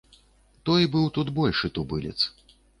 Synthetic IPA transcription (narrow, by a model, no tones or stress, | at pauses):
t̪ɔjbɨwt̪ud̪bɔlʲʂɨt̪ubɨlʲɛ̰t̪s